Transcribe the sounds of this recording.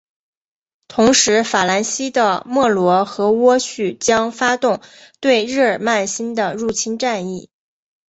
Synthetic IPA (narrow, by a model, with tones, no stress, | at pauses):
t̪ʰʊ˧˥ŋʂɻ̩˧˥fa˨˩la˧˥nɕi˥d̪ə˨mwɔ˥˩lwɔ˧˥xɤ˧˥wɔ˥ɕy˥˩t͡ɕjɑ˥ŋfa˥t̪ʊ˥˧ŋt̪we˥˧ɪɻɻ̩˥˩ə˞˨˩ma˥˩nɕi˥nd̪ə˨ɻu˥˩t͡ɕʰi˥nʈ͡ʂa˥˧ni˥˩